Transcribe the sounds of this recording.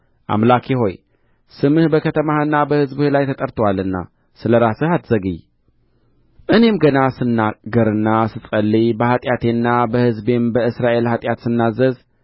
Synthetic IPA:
ʔa̰mlakʰiɦo̞j | sɨmɨhbəkʰət̪ʰəmaɨnːabəhɨzbhelajt̪ʰət̪ʼəɾt̪ʰəwalɨnːa̰ | sɨləɾasɨhat̪z̥əɡɨj | ʔɨne̞mɡənasɨnːaɡəɾɨnːasɨsʼəlːibəhat̪ʼjat̪ʰe̞nːabəhɨzbe̞mbəɨsɾaʔe̞lhat̪ʼjat̪sɨnːazəz

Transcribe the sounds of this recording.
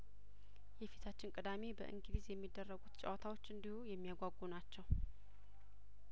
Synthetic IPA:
jɛfit̪ʰat͡ʃːɪnkʼɨd̪ame̞bə̰ʔɨ̰ŋɡɨd̪izjɛmːid̪ːərːəɡut̪t͡ʃʼa̰wt̪ʰawot͡ʃːɨnd̪ihujɛmːijaɡʷaɡunat͡ʃːɛw

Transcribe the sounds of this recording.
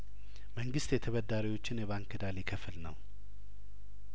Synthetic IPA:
məŋɡɨst̪jɛt̪ʰəβəd̪ːaɾiwo̞t͡ʃːɪnjɛβaŋkɨd̪alikʰəfɨlnəw

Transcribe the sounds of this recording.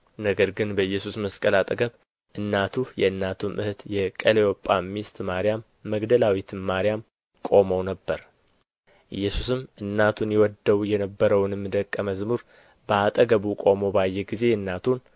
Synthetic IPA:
nəɡəɾɡɨnbəɨjːɛsusməskʼəlat̪ʼəɡəβ | ʔɨnːat̪ʰujɛɨnːat̪ʰumʔɨht̪jɛkʼəlewopʼːamːist̪ʼmaɾijamːəɡd̪əlawit̪ʰɨmmaɾijam | kʼo̞məwnəbːəɾ | ʔɨjːɛsusɨmʔɨnːat̪ʰunjɛwɔd̪ːəwjɛnəbːəɾəwnmːɨd̪əkʼːəməzmuɾ | bəat̪ʼəɡəβukʼo̞mo̞bajːɛɡize̞ɨnːat̪ʰun

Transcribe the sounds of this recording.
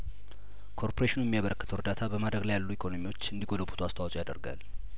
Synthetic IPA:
kʰo̞ɾpʰoɾeʃinujɛmijaβəɾəkːət̪ʰəwɾɨd̪at̪ʰabəmad̪ɾəɡlajalːuikʰo̞no̞miwo̞t͡ʃːɨnd̪iɡoləbut̪ʰuast̪ʰawɔt͡ʃʼojad̪ə̰ɾɡa̰l

